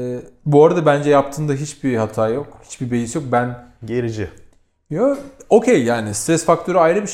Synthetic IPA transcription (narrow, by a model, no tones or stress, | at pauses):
buaɾad̪abænd͡ʒɛjap̚t̪ʰɯːnd̪aɦit͡ʃbihat̪ʰaːjo̞khi̥t͡ʃbibe̞jisjo̞k̚bænɟeɾid͡ʒɪ | joo̞cʰejːaːnist̪ɾɛsfakt̪ʰø̞ɾyajɾɯbiʃ